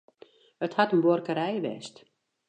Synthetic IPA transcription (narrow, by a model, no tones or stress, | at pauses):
həthatənborkəɾɛjʋɛ̰st